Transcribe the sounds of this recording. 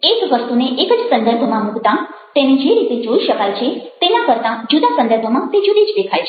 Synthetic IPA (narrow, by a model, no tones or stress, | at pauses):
ekʋəst̪uneʔekəd͡ʒsə̃nd̪əɾbʱəmãmukt̪ã | t̪ened͡ʒeɾit̪ed͡ʒoiʃəkajt͡ʃʰet̪enakəɾt̪ãd͡ʒud̪asə̃nd̪əɾbʱəmãt̪ed͡ʒud̪id͡ʒd̪ekʰajt͡ʃʰe